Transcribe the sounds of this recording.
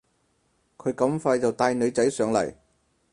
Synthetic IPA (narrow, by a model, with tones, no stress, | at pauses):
kʰɵ˨˧ɥkɐ˨˧˥mfaː˧jt͡sɐ˨wt̪aː˧jnɵ˨˧t͡sɐ˨˥jsœː˨˧ŋlɐ̰˨˩j